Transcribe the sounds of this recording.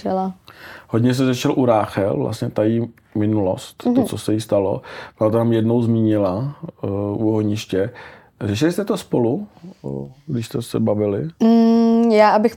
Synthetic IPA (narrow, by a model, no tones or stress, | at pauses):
ɛlahoɟɲɛs̬t̪ɛzɛʃɛlʔuɾaːxɛ̰lvla̰stɲɛt̪aji | mɪnulo̰st̪t̪ot͡sosɛjɪst̪alo̰bɪlat̪onamjɛdno̞wzmiːɲɪla | ʔuɦoɲɪʃcɛ | rɛʃ̬ɪlɪst̪ɛt̪ospolu | ɡdɪʃst̪ɛsɛ̰bavɪlɪm̩jaːʔabɪx